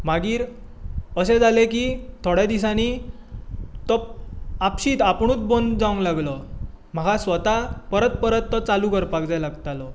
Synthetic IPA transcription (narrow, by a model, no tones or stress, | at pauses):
maɡiːɾ | əsed͡zalekit̪ʰoɽed̪is̬añi | t̪ɔapɕiːt̪apɳ̃uːt͡sbond̪d͡zaũŋlaɡlɔ | m̤əɡasʋət̪apəɾət̪̚pəɾət̪ːɔt͡salukəɾpak̚d͡zajlaɡt̪alɔ